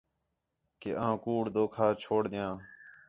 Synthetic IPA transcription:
kḛːʔãːkuːɽd̪oːkʰaːt͡ʃʰoːɽd̪ɪjãː

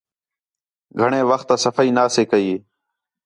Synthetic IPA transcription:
ɡʱəɳẽːʋəxt̪aːsəfaːiːnaːseːkəiː

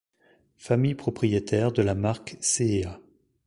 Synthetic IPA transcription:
famijpχɔpχijet̪ɛʁd̪əlamaʁksea

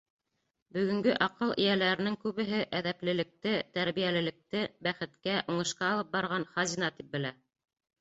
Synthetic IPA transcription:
bɵ̆ɡɵ̆ŋɡɵʔɑqɤlˠḭjælæɾɘ̆nɘŋkʉβɘ̆ɦɘʔæðæplɘ̆lɘ̆k̚t̪ɘt̪æɾβijælɘ̆lɘ̆k̚t̪ɘbæχɘ̆t̪kæʔuɴɤ̆ʃqɑːlˠɤp̚bɑɾʁɑnχɑzʲinɑt̪ip̚bɘ̆læ

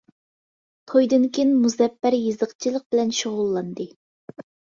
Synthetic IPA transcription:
t̪ʰojd̪ɨnkʲenmuzɛpːæɾjɨzəqt͡ʃʰilˠəq̚bɪlɛnʃoʁʊlˠːɑnd̪ɨ

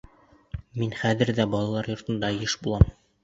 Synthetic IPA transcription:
minχæðɘ̆ɾd̪æbɒlˠɑlˠɑɾjŏɾt̪ɤ̆nd̪ɑjɤʃbulˠɑm

